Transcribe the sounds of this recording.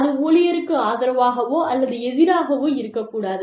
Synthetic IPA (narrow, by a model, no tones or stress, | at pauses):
ðɯoːɭɪjɐɾɯkːɯaːðɐɾɐʋaːɣɐʋoːʔɐlːɐðɯɛðɪɾaːɣɐʋoːɪɾɯkːɐkːuːɽaːðɯ